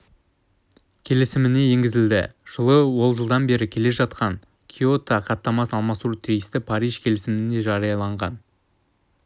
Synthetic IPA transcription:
kʲʰe̞lɪsɪmɪne̞je̞ŋʲɡʲɪzɪld̪ɪ̰ʒ̥əlˠəwo̞lˠʒəlˠd̪ɑnbe̞ɾɪkʲʰe̞le̞ʒɑt̪qɑn | kʲʰio̞t̪ɑqʰɑt̪ːɑmɑsɑlˠmɑsuɾt̪ʰijst̪ɪpʰɑɾijʒkʲʰe̞lɪsɪmɪne̞ʒɑɾijɑlˠɑɴʁɑn

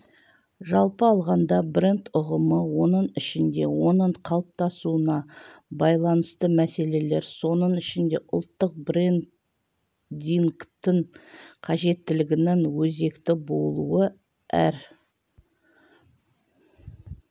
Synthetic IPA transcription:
ʒɑlˠpəɑlˠʁɑnd̪ɑbrent̪ʊʁəməwo̞nəɴɪʃɪnd̪e̞̰wo̞nəɴqʰɑlˠəp̚t̪ɑsuənɑbɑjlˠɑnəst̪əmæse̞le̞le̞ɾso̞nəɴɪʃɪnd̪e̞ʔʊ̰lˠt̪ːəq̚brent̪ | d̪iŋkt̪ːɪɴqʰɑʒe̞t̪ːɪlɪɡʲɪnɪŋwɵze̞kt̪ɪbo̞lˠuə | æ̰ɾ

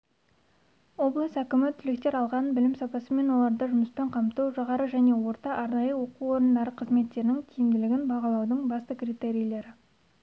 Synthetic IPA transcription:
o̞blˠəsækʲɪmɪt̪ʰʏlek̚t̪e̞ɾɑlˠʁɑnbɪlɪmsɑpɑsəme̞nwo̞lˠɑɾd̪əʒʊməspeɴqʰɑmt̪uwʒɑʁɑɾəʒæne̞wo̞ɾt̪ɑʔɑɾnɑjəwo̞quwwo̞ɾənd̪ɑɾəqʰəzme̞t̪ːe̞ɾɪnɪŋt̪ʲʰijɪmd̪ɪlɪɡʲɪnbɑʁɑlˠɑwd̪əɴbɑst̪əkrit̪e̞ɾijlˠe̞ɾɪ

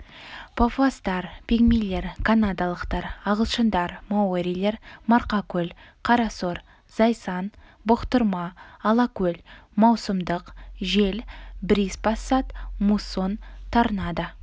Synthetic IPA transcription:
pʰofast̪ɑɾpiɡmele̞ɾkʰanad̪alˠəqt̪ɑɾɑʁəlˠʃənd̪ɑɾmawoɾʲijlˠe̞ɾmɑɾqɑkʲɵl | qʰɑɾɑsoɾ | z̥ɑjsɑnbʊqt̪əɾmɑːlˠɑkʲɵlmɑwsəmd̪əqʒe̞lbɾispɑsːɑt̪muso̞nt̪ʰɑɾənɑd̪ə

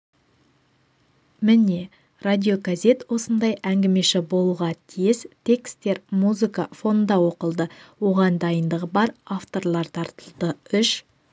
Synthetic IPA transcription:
mɪne̞ | rad̪ʲio̞ɡaze̞t̪wo̞sənd̪ɑjʔæŋɡʲɪme̞ʃɪbo̞lˠuʁɑt̪ʰijɪzt̪ʰe̞kst̪e̞ɾmuzɨkafo̞nnd̪ɑwo̞qəlˠd̪əwo̞ʁɑnd̪ɑjənd̪əʁəbɑɾaft̪o̞ɾlˠɑɾt̪ʰɑɾt̪əlˠd̪əʏʃ

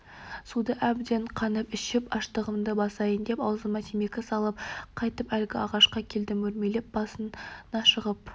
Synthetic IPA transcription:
sud̪əʔæbd̪e̞ɴqʰɑnəpɪʃɪpɑʃt̪əʁəmd̪əbɑsɑjənd̪e̞pɑwzəmɑt̪ʰimekʲɪsɑlˠəp̚qʰɑjt̪əpælɡʲɪɑʁɑʃqɑkʲʰe̞ld̪ɪmɵɾme̞le̞p̚b̥ɑsənnɑʃəʁəp̚

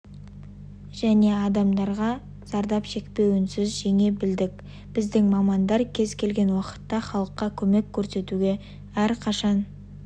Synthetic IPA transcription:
ʒ̥æne̞ɑd̪ɑmd̪ɑɾʁɑ | zɑɾd̪ɑpʃe̞kpe̞wɪnsɪzʒeŋe̞bɪld̪ɪkʲ | b̥ɪzd̪ɪŋmɑmɑnd̪ɑɾkʲʰe̞zkʲʰe̞lɡʲe̞nwɑqə̥t̪ːɑχɑlˠəqːɑkʲʰɵme̞kʲʰːɵɾse̞t̪uɡʲe̞ | æɾqʰɑʃɑn

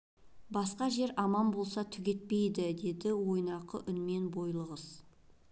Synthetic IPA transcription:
bɑsqɑʒe̞ɾɑmɑnbo̞lˠsɑt̪ʰʏɡʲe̞t̪̚pe̞jd̪ɪd̪e̞d̪ɪwo̞jnɑqəʔʏnme̞nbo̞jlˠəʁəz̥

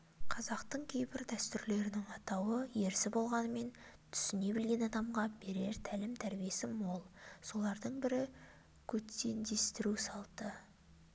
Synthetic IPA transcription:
qʰɑzɑqt̪əɴkʲʰe̞jbɪɾd̪æst̪ʏɾle̞ɾɪnɪŋɑt̪ɑwəje̞ɾsɪbo̞lˠʁɑnəme̞nt̪ʰʏ̥sɪne̞bɪlɡʲe̞nɑd̪ɑmʁɑbe̞ɾe̞ɾt̪ʰælɪmt̪ʰæɾbije̞sɪmo̞lˠso̞lˠɑɾd̪əɴbɪɾɪ | kʲʰɵt̪ːe̞nd̪e̞st̪ɪɾusɑlˠt̪ə

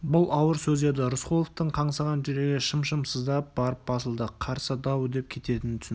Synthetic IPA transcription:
bʊlˠɑwəɾsɵzd̪e̞d̪ɪɾʊsqolˠoft̪əɴqʰɑɴsɑʁɑnʒɪɾe̞ɡʲɪʃəmʃəmsəzd̪ɑp̚bɑɾəp̚b̥ɑsəlˠd̪əqʰɑɾsəd̪ɑwd̪e̞p̚kʲʰe̞t̪e̞t̪ɪnt̪ʰʏ̥s

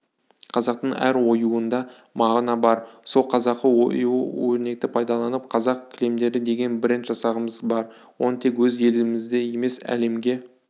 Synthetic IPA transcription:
qʰɑzɑq̚t̪əɴæ̰ɾwo̞juənd̪ɑ | mɑʁnɑbɑɾso̞lˠqʰɑzɑqːəwo̰juəwɵɾne̞k̚t̪ɪpʰɑjd̪ɑlˠɑnəp̚qʰɑzɑq̚kʲʰɪle̞md̪e̞ɾɪd̪e̞ɡʲe̞nbɾent̪ʒ̥ɑsɑʁəməzbɑɾ | wo̞nət̪ʰe̞kwɵzelɪɡɪmɪzd̪e̞je̞me̞sæ̰le̞mɡʲe̞

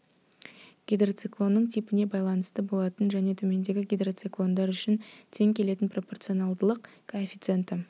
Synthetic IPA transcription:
ɡ̥ʲijd̪rot̪sɨklˠo̞nːəɴt̪ʰipɪne̞bɑjlˠɑnəst̪əbo̞lˠɑt̪ənʒæne̞t̪ʰɵme̞nd̪e̞ɡʲɪɡʲijd̪rot̪sɨklˠo̞nd̪ɑɾʏʃɪnt̪ʰe̞ŋkʲʰe̞le̞t̪ɪnpro̞po̞rt̪sɨo̞nɑlˠd̪əlˠəqkʰoefʲit̪se̞nt̪ɪ

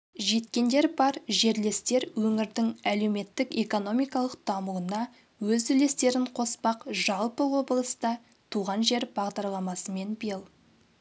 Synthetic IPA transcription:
ʒe̞t̪kʲe̞nd̪e̞ɾbɑɾʒe̞ɾle̞st̪e̞ɾwɵŋɪɾd̪ɪŋæle̞wme̞t̪ːɪke̞ko̞no̞mijkɑlˠəqd̪̥ɑmuənɑ | wɵzʏle̞st̪e̞ɾɪɴqʰo̞spɑqʒɑlˠpəwo̞bəlˠəst̪ɑ | t̪ʰuʁɑnʒe̞ɾbɑʁd̪ɑɾlˠɑmɑsəme̞nbijəlˠ

